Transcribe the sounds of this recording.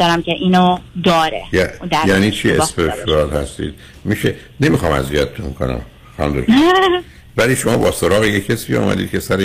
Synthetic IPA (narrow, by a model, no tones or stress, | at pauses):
ɒɾæmcʰeʔiːnod̪ɒːɾejæd̪jæniːt͡ʃʰiespeʃuælhæ̰st̪ḭːd̪̥ | miːʃe | ne̞mixɒːmæ̰ziæt̪ʰt̪ʰumkʰo̰næ̰m | xænmd̪o | væliːʃo̞mɒːbɒːsoɾɒːɣejecʰesiːɔ̰ːmæ̰d̪iːd̪̚cʰesæɾe